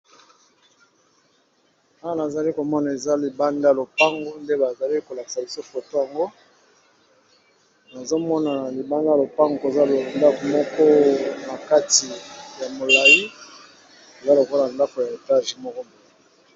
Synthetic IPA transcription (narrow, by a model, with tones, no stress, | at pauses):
a˦wa˨na˨za˨li˦ko˨mɔ˦na˨e˨za˦li˨ba˦nda˦˨lo˨pa˦ŋɡo˦nde˦ba˨za˨li˦ko˨la˨ki̥˨sa˨bi˦so˦fo˨to˦ja˨ŋɡo˦ | na˨zo˦mɔ˦na˨li˨ba˦nda˦lo˨pa˦ŋɡo˨e˨za˦lo˨nda˦ko˨mɔ˦kɔ˦na˨ka˦ti˨ja˨mo˨la˨i˦ | e˨za˦lo˨ko˦la˨nda˦ko˨ja˨e˨ta˦ʒi˨mɔ˦kɔ˦bo˨